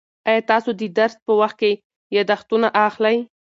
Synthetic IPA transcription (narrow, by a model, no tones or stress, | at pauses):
ɑjɑt̪ɑsod̪əd̪aɾspəwaxt̪̚ke | jɑd̪axt̪unaʔaxlaj